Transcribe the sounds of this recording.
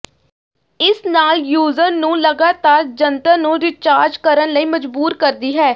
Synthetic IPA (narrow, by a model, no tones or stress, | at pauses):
ɪsnaːljuːzəɾnũːləɡaːt̪aːɾd͡ʒənt̪əːnũːɾɪt͡ʃaːɾd͡ʒkəɾənləiːməd͡ʒbuːɾkəɾd̪iːɦɛː